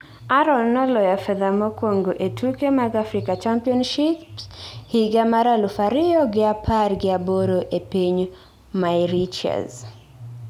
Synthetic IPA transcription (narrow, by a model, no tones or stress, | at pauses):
aɾɔlnɔlɔjafɛd̪amɔkwoŋɡoʔetʰukemaɡafɾɪkat͡ʃampiɔnʃipshiɡamaɾalʊfaɾɪjɔɡɪapʰarɡɪaboɾoʔepiɲ | majɾit͡ʃa̰z